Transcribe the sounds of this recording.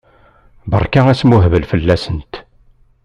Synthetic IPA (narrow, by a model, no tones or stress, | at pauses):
bə̰ɾˤkææsmuɦvəlfəlːæsənt̪